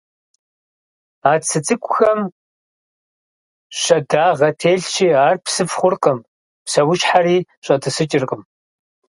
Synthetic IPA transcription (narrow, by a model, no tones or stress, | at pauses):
aːt͡sʰɨt͡sʼɨkʷʼʊxɐm | ɕɐdaːʁɐtʰeːɮʃiːaːrpʰsɨfχʷʊrqʼəm | psɐwʊʃħaɾiːɕʼɐtʰɨsɨt͡ʃʼɪrqʼəm